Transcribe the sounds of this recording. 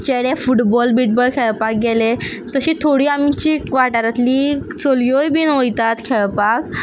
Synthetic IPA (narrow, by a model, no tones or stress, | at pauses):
t͡ɕeɽefuʈbɔlbiʈ̚bəɭkʰeɭpak̚ɡɛle | t̪əɕiːt̪ʰoɽiːamit͡ɕiːkʋaʈaɾat̪lisoljojbiːnɦojt̪at̪kʰɛɭpak